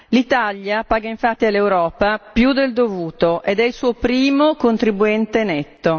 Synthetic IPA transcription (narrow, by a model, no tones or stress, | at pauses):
lit̪aʎːjapaːɡaiɱfat̪ːialːewɾɔːpapjud̪eld̪ovuːt̪oʔed̪ɛilsuːopɾiːmokont̪ɾibuɛnt̪enɛt̪ːo